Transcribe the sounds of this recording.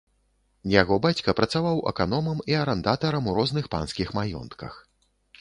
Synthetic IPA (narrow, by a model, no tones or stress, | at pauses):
jaɣɔbat͡sʲkɐpɾɐt̪savawʔɛ̰kanɔmɐmiɐɾɛnd̪at̪ɐɾɐmuɾɔznɨxpa̰nskʲixmajɔ̰nt̪kɐ̰x